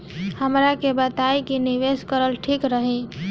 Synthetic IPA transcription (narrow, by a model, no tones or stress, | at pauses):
həmɾakebət̪ajkiniʋeskəɾəlʈʰikɾəɦĩ